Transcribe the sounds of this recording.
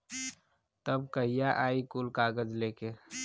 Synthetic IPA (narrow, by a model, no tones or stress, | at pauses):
t̪əbkəɦijaʔaːikulkaːɡəd͡ʒleːke